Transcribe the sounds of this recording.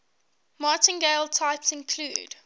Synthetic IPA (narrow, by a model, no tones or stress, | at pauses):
mɑːˑtɪ̃nɡeɪlˠtʰaɪpsɪ̃nkʰlṵːd̥